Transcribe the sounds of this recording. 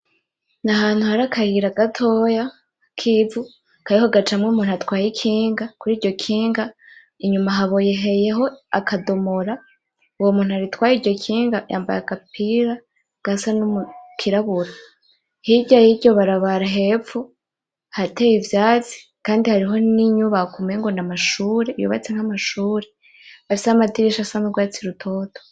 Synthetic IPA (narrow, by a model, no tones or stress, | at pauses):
naɦaːn̥huhaɾakʰajiɾaɡatʰo̞ja | kʰivu | kajihoɡat͡ʃamŋumuːnuatwaːjikʰiːŋɡakuɾiːɾɟo̞kʰiːŋɡa | iɲumaɦaβoje̞ɦe̞je̞ɦo̞a̰kʰado̞moɾa | uwomuːnhuaɾitwaːjiɾɟo̞kʰiːŋɡaja̰ːmba̰jaɡapiɾa | ɡ̥asanumukʰiɾaβuɾo | hiɟajiɟo̞βaɾaβaɾaɦe̞fu | hatejivjaːt͡si̥ | kaːndihaɾiɦo̞niɲuβakumeŋɡo̞namaʃuːɾejṵβa̰t͡seŋ̥amaʃuːɾe | afisehamatiɾiʃasamuɾɡwaːt͡siɾutʰo̞ːto